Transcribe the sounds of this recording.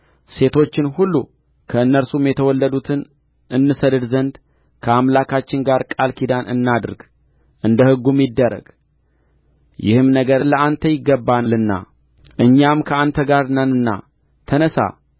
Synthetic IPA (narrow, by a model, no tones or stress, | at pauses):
se̞t̪ʰo̞t͡ʃːɪnhulːu | kʰəɨnːəɾsumjɛt̪ʰəwɔlːəd̪ut̪ʰɨn | ʔɨnːɨsəd̪ɨd̪zənd̪ | kʰəamlakʰat͡ʃːɪnɡaɾkʼalkʰid̪anʔɨ̰nːad̪ɾɡ | ʔɨnd̪əhɨɡːumid̪ːəɾə̰ɡ̥ | jɪ̰hɨmnəɡəɾləʔant̪ʰəjɪɡːəbːanlɨnːa̰ | ʔɨɲːamkʰəant̪ʰəɡaɾnənɨnːa̰ | t̪ʰənəsa̰